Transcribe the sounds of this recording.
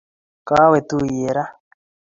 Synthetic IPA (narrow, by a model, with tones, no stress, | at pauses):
ka˦we˨t̪u˦je˨ɾa˦